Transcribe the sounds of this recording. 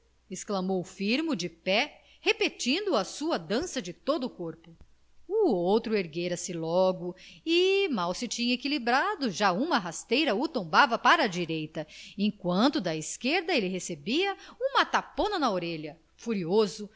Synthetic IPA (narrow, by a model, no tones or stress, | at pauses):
esklɐmowfiɾmʊd͡ʒɪpɛ | hepet͡ʃĩnd̪ʊɐsuɐd̪ɐ̃sɐd͡ʒɪt̪od̪ʊːkoɾpʊ | uowt̪ɾʊeɾɡeɾɐsɪlɔɡʊɪmawsɪt͡ʃĩɲɐekilibɾad̪ʊʒaũmɐɦast̪ejɾɐut̪õmbavɐpaɾɐːd͡ʒiɾejt̪ɐẽkwɐ̃nt̪ʊd̪ɐiskeɾd̪ɐelɪɦesebiɐũmɐt̪apõnɐnɐoɾeʎɐ | fuɾiozʊ